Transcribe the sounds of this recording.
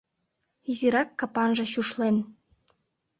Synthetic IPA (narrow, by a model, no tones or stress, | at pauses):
iziɾɑkːɑpɑnʒɤ̆ɕuʃlen